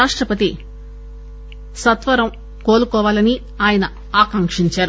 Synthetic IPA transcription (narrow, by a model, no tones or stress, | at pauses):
aːʂʈɾɐpɐt̪i | sɐt̪ʋɐɾɐm | koːlukɔːʋaːlɐni | aːjɐnɐ | aːkɐŋkʂiɲt͡ʃaːɾu